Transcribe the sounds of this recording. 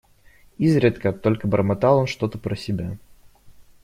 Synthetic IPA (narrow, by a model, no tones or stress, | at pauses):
izɾʲɪt̪kət̪ːo̞lʲkəbəɾəmɐt̪ɑlˠo̞nʂt̪o̞t̪əpɾəsʲɪbʲa